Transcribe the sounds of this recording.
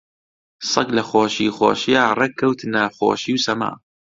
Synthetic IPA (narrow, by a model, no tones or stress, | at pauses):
sˤɐklɐxoːʃiːxo̰ːʃjaːrekːɐwt̪ʰnaxo̰ːʃiwsɐma̰ː